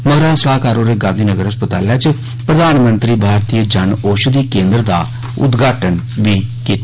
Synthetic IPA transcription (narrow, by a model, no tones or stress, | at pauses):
məɡɾãːsəlaːkaːɾoːɾeːɡãːnd̪ʱiːnəɡəɾəspət̪aːljaːt͡ʃ | pɾəd̪aːnmənt̪ɾiːbʱaːɾt̪iːəd͡ʒanoːʃud̪iːkẽːnd̪ɾd̪aː | ʊ̰d̪ɡaːʈən | ʋiːkiːt̪ː